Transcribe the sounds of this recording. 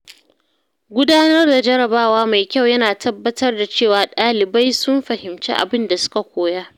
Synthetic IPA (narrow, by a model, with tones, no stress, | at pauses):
ɡʷʊ˦daː˦nɐ˦rda˨d͡ʒɐ˦ɾɐ˨baː˦˨waː˦ma˨jkʲa˦˨wjɐ˦naː˨tʰɐ˦bːɐ˦tɐ˦rda˨t͡ʃeː˦˨waː˨ɗaː˦lɪ˨ba˦jsʊ˦mɸɐ˨hɪ˨mt͡ʃḛ˦ʔa̰˨bɪ˦nda˨sʊ̥˦ka˨kʷoː˦˨ja˦ʔ